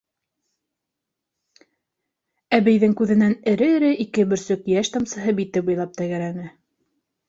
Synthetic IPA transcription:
æβæjðɘŋkʉðɘ̆nænɘ̆ɾɘɘ̆ɾɘʔikɘbɵ̆ɾsɵkjæʃt̪ɑmsɤ̆ɦɤbit̪ɘbujlˠɑp̚t̪æɡæɾænɘ

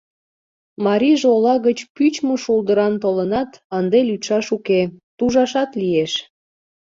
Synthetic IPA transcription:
mɑɾʲiʒolɑɣət͡ɕpyt͡ɕməʃulˠd̪əɾɑnt̪olənɑt̪ɑnd̪elyt̪ʃɑʃuket̪uʒɑʃɑt̪lieʃ

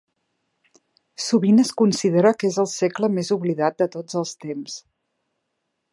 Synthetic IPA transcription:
suβinəskunsiðeɾəkezəlˠsekləmezuβliðat̪̚d̪ət̪od͡zəlˠst̪ems

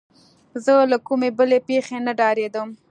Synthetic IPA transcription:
zəlakumebəlepexenaɖɑɾed̪əm

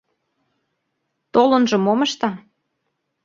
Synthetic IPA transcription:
t̪olə̆nʒɤ̆moməʃt̪ɑ

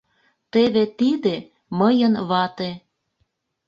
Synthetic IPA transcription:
t̪eβet̪id̪e | məjənβɑt̪e

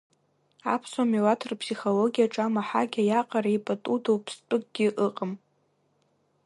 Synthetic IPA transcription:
a̰pʰsomiwatʰɨrpʰsiχoloɡʲijaʈ͡ʂʼamaħaɡʲajaqʼaɾaipʼatʼudowpʰstʼɨkʼɡ̥ʲɪʔɨqʼəm

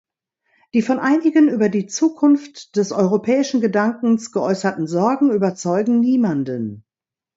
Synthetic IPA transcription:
d̥iːfɔnʔaɪnɪɡənʔyːbɐdiːt͡suːkʰʊnftd̥ɛsʔɔʏʁ̞opʰɛːɪʃn̩ɡədaŋkŋ̩sɡ̥əʔɔʏsɐtn̩zɔɐɡŋ̩yːbɐt͡sɔʏɡŋ̩niːmandən

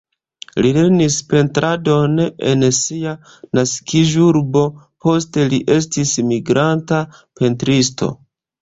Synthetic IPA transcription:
lile̞ɾnispe̞ntɾado̞ne̞̰nsia | naskiʒuɾbo̞ | po̞ste̞liʔe̞s̬tismiɡɾantape̞ntɾisto̞̰

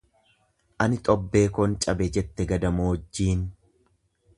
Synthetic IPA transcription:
ʔɐnɪt̪ʼɔbːe̞ːkɔnt͡ʃʼɐbɛd͡ʒɛt̪ːɛɡɐd̪ɐmoːd͡ʒːiːn

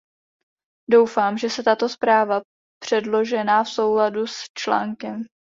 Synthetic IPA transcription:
do̞wfaːmʒɛsɛt̪at̪o̞spɾaːva | pr̝̥ɛdlo̞ʒɛnaːfso̞wladust͡ʃla̰ːŋkɛm

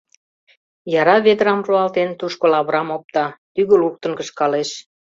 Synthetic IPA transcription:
jɑɾɑβed̪əɾɑmroɑlt̪ent̪uʃkolɑβɾɑmop̚t̪ɑt̪yɣə̆luk̚t̪ə̆ŋkə̆ʃkɑleʃ

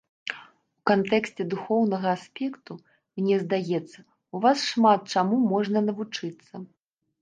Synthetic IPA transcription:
ukant̪ɛksʲt͡sʲɛd̪uxɔwnɐɣɐasʲpʲɛkt̪u | mnʲɛzd̪ajɛt̪sːɐ | uvasʂmat̪̚t͡ʂamumɔʐnɐnɐvut͡ʂɨt̪sːɐ

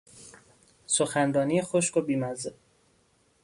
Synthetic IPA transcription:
soxænɾɒːnijexoʃkobiːmæze

